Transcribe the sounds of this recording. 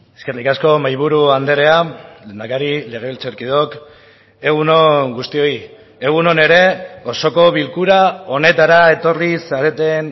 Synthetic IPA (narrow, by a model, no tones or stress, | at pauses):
eskerikasko̞majβuɾuand̪e̞ɾe̞alend̪akaɾile̞ɣ̞e̞βilt͡seɾkiðo̞k | e̞ɣ̞uno̞ŋɡust̪io̞i | e̞ɣ̞uno̞ne̞ɾe̞o̞so̞ko̞βilkuɾao̞ne̞t̪aɾae̞t̪o̞rlisaɾe̞t̪e̞n